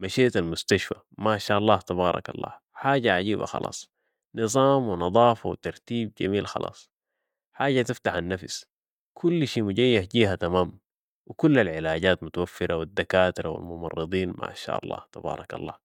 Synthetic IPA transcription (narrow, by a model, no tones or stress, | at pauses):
maʃeːt̪almʊst̪aʃfa | maʕʃaːʔɑlˤːɑːht̪ɑβɑːɾˤɑ̰kɑ̰lˤːɑ̰ː | ħaːɟaʕaɟiːba̰xɑ̰lʔɑ̰ːsˤ | nɨzˤɑːmwinɑd̪ˤɑːfɑwit̪ɑɾˤt̪iːb̚ɟamiːlxɑ̰lʔɑ̰ːsˤ | ħaːɟat̪ift̪aħanːafs | kʰulːʃiːmuɟajːahɟiːɦat̪amaːm | wikulːalʕɪlaːɟaːt̪mʊt̪awafːɪɾʔawid̪ːakaːt̪iɾawa̰lmʊmɑrˤːɨd̪ˤiːnmʔa̰ʕʃa̰ːʔɑ̰lˤːɑ̰ːht̪ɑbɑ̰ːɾˤɑkɑ̰lˤːɑ̰ː